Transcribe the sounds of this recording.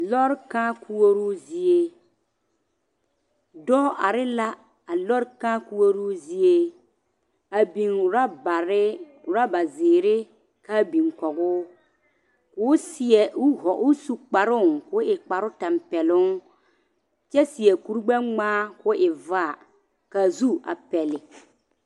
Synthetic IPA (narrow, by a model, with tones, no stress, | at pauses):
lɔ˦ɾkaː˦kʰu˦wo˦ɾu˦zi˦e˦ | dɔː˦ʔa˨ɾɪ˦la˦ | a˨lɔ˦ɾkaː˦ku˦wo˦ɾu˦zi˦e˦ | a˨bi˨ŋʊ˨ɾa˦ba˨ɾɪ˦ | ʊ˨ɾa˦ba˨zɪː˨ɾɪ˦ | ka˦bi˨ŋkɔ˨ɣʊː˦ | kʊː˨˦sɪ˨ɛ˨ʊ˦hɔ˨ʔʊ˦su˨k͡pa˨ɾʊ˦˨ŋkʊ˦ɪ˨k͡pa˨ɾʊ˦ta˨mpɛ˨lʊ˦ŋ | t͡ʃɛ˦sɪ˨ɛ˨ku˦ɾɡ͡ba˦ŋ͡maː˦kʊ˦ʔɪ˨va˦˨ | ka˨zu˦ʔa̰˨pɛ˨lɪ˨